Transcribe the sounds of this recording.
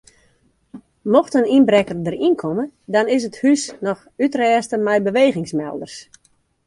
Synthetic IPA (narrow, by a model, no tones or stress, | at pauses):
mɔxtəninbrɛkərdərinkʰɔmədɔnɪs̬əthysnɔx | ytrɛːstəmɛjbəʋeːɣɪŋsmɛ̰lˠdərs